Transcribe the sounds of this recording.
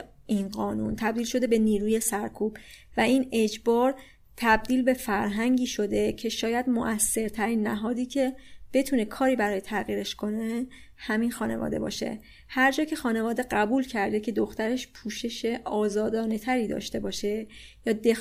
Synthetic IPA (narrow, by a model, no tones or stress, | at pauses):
ʔinɢɒːnṵnt̪ʰæb̪̚iːlʃo̞d̪e̞be̞niːɾuːje̞sæɾkʰub̥væʔined͡ʒbɒːɾ | t̪ʰæb̚d̪iːlbe̞fæɾɦæŋɟiːʃo̞d̪e̞cʰe̞ʃɒːjæd̪moʔæsːe̞ɾt̪ʰæɾiːnːæɦɒːd̪iːcʰe̞b̥e̞t̪ʰune̞kʰɒːɾiːbæɾɒːjet̪ʰæɣiːɾe̞ʃkʰo̞ne̞ | hæminxɒːnevɒ̰ːd̪e̞̰bɒ̰ːʃe̞̰ | hæɾd͡ʒɒːcʰe̞xɒːne̞vɒːd̪e̞ɢæbuːlcʰæɾd̪ecʰe̞d̪oxt̪æɾe̞ʃpʰuːʃe̞ʃe̞ʔɒːzɒːd̪ɒːne̞t̪ʰæɾiːd̪ɒ̰ːʃt̪e̞bɒːʃe̞jɒːd̪e